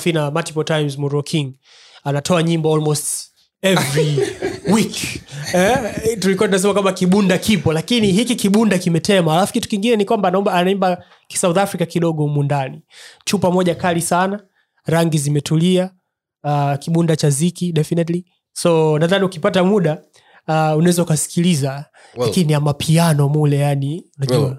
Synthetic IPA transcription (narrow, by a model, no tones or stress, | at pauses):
finamatipɔtajmzmuɾɔkʰiŋɡ | anatɔaɲimbaɔlmɔst | ɛvɾiwikɛtulikuatunas̬ɛmakwambakiɓundakipɔlakiniɦikikiɓundakimɛtɛmaalafukitu̥kiŋɡinɛnikwambaːnaɔmbaːnaimba | ki̥sauθafɾikakiɗɔɠɔmundanit͡ʃuːpamɔʄakalisana | ɾaŋɡizimɛtulia | akiɓundat͡ʃazikiɗɛfinɛtli | sɔnaðaniukipatamuɗa | unaɛzaukasi̥kiliza | lakinijamapʰianɔmulɛjaniunaʄua